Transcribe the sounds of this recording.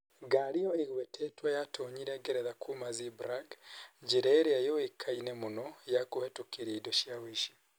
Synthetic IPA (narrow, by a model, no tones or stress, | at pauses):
ɡaɾiɔeɣwɛtʰɛtwajatoɲiɾɛɡeɾɛðakʰumazibɾaɡd͡ʒeɾɛːɾeajowekʰainemonɔjakohɛtokiɾaidoʃjawiʃi̥